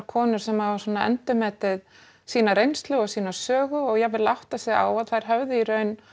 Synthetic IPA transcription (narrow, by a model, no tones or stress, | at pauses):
ɾkʰɔːnʏɾ̥sɛmavḁsɔːnaɛ̰nt̪ʏmɛːt̪ɪð | siːnaɾejnst̪lʏɣɔɣsiːnḁsœːɣʏɔɣjɛɣvɪlawht̪asjɛɣa̰ːwaðθajɾ̥ɦœvðʏiɾœɥn